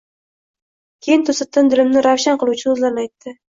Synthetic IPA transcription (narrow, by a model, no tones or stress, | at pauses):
kʲʰejɪnt̪ʰɵsat̪ʰːɪnd̪ɪlɪmnɪɾawʃanqɨlˠuwt͡ʃʰɪɵzlaɾnajt̪ːɪ